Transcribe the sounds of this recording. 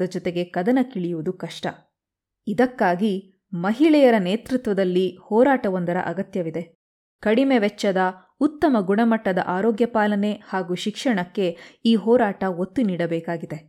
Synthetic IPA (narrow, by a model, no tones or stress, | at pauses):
ɐd͡ʒɔt̪e̞ɡe̞kɐd̪ɐnɐkiɭijuʋud̪ukɐʂʈɐ̰ | id̪ɐkːaːɡi | mɐɦiɭɛjɐɾɐneːt̪ɾut̪ʋɐd̪ɐlːihɔːɾaːʈɐʋond̪ɐɾɐ̰ʔɐɡɐt̪jɐʋid̪e̞ | kɐɽimeʋɛt͡ʃːɐd̪ɐ | ut̪ːɐmɐɡuɳɐmɐʈːɐd̪ɐ̰ʔaːɾɔːɡjɐpaːlɐne̞haːɡuːʃikʂɐɳɐkːe̞iːɦɔːɾaːʈɐɦot̪ːuniːɽɐbɛːkaːɡid̪e̞